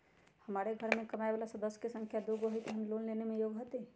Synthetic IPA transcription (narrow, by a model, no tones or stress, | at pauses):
həmaːɾeɡʱəɾmẽkəmaːebaːlasəd̪əskesə̃ŋkʰjad̪uɡoɦjt̪ɦəmlonlenemẽjoːɡɦot̪e